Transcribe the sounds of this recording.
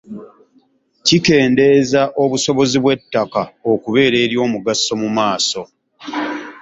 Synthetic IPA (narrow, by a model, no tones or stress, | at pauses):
cike̞ːnde̞zaʔo̞βuso̞βo̞ziβwe̞tːakao̞kuβe̞ːɾe̞ːɾjo̞ːmuɡasːo̞mumaːso̞